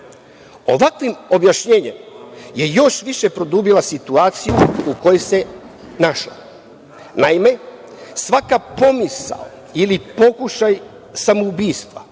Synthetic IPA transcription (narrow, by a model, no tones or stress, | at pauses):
o̞̰ʋakʋimo̞bjaʃɲe̞ːɲemje̞jo̞ʃʋiʃe̞pɾo̞d̪uːbilasit̪uaːt̪sijuuko̞jese̞ | naʃla̰ | naime̞ | sʋakapo̞misa̰o | ilipo̞kuʃaj | samoubiːst̪ʋa̰